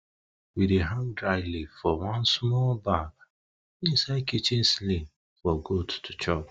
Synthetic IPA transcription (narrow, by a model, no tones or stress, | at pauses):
wideɦãŋdɾaɪlifɔwãnsmɔlbaɡ | ĩsaɪkit͡ʃin̩sli | fɔɡodtʰu̥t͡ʃɔb